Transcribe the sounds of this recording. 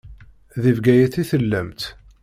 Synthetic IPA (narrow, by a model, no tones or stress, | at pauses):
ðivɡæjæθiθəlːəmt̪